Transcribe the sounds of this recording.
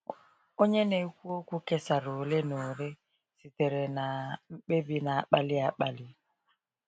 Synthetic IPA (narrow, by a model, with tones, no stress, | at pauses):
o˦ɲe˦ne˨˦kʷu˦o˦ku˦ke˦sa˨ɾo˨le˦no˨ɾe˦ | si˨te˨ɾe˨na˨m̩˦ɓe˦bi˦na˨a˦k͡pa˦lɪ˦a˨˦k͡pa˦lɪ˦